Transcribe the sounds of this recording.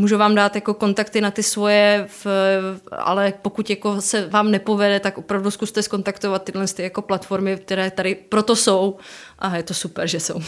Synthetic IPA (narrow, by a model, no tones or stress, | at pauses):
muːʒuvaːmdaːt̪jako̞ko̞nt̪akt̪ɪnat̪ɪsvo̞jɛ | ʔa̰lɛpokuc̪jako̞sɛvaːmnɛpovɛdɛt̪akʔopɾavduskust̪ɛsko̞nt̪akt̪ovat̪ːɪdlɛnst̪ɪjako̞plat̪fo̞ɾmɪk̚t̪ɛɾɛːt̪aɾɪpɾot̪o̞sowʔajɛt̪o̞supɛɾʒɛso̰w